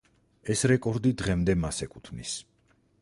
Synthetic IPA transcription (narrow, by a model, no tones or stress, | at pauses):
ɛsɾɛkʼɔɾd̪id̪ʁɛmd̪ɛmasɛkʼut̪ʰnḭs